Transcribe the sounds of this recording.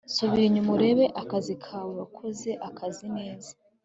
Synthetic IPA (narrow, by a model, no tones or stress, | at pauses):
suβiɲumuɾe̞βe̞ʔakazikʰawuwakʰoze̞ʔakʰazine̞ːzḁ